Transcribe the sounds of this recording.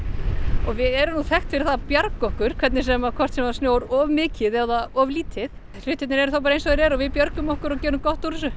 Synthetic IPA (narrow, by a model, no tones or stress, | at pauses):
ɔɣvɪðɛɾʏnuθɛxt̪fɪɾɪɾθaðpjaɾkɔhkʏɾ̥kʰvɛt̪nɪsɛmakʰɔrt̪sɛmvasnjoːwɾɔvmɪːcɪðɛðaɔvliːt̪ʰɪð | l̥ʏht̪ːɪt̪nɪɾɛɾ̥θawpaːɾaejnsɔðɪɾɛɾɔɣvɪðpjœɾkʏmɔhkʏɾɔcɛːɾʏmkɔht̪oɾɪs̬ʏ